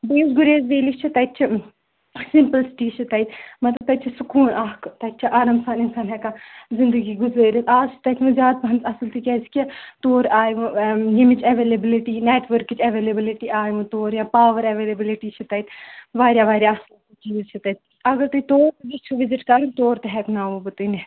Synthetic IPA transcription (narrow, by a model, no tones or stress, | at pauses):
biːsɡuɾeːzʋeːlikʰt͡ʃʰit̪ɐt͡ʃʰi | sɪmpəlsʈiːʃʰit̪ɐjt̪mɐt̪lɐb̚t̪ɐt͡ʃʰisukuːnʔɐɦkt̪ɐt͡ʃʰiʔaːɾaːmsaːnɪnsaːnɦɛkazɪnd̪əɡiːɡʊzaːɾʲɐt̪ʰaːzt͡ʃʰi̥t̪ɐt̪ʰmɨ̃zjaːd̪̚pɐ̃nzɐsəlt̪ʰikʲɛːzkʲit̪oːɾaːjʋũjimit͡ʃɐʋeːlebɪlɪʈineːʈʰʋəɾkt͡ʃʰɐʋeːlebɪlɪʈiːaːjʋũt̪oːɾjãːpaːʋəɾɐʋeːlebɪlɪʈiːt͡ʃʰit̪ɐit̪ʰʋaːɾʲjaːʋaːɾʲjaːɐslt̪it͡ʃiːzt͡ʃʰit̪ɐt̪̚ | ɐɡɐɾt̪ɐt̪oːɾt̪bit͡ʃʰuʋɪzɪʈkɐɾunt̪oːɾt̪ɐɦɛːknaːʋũbɨt̪ini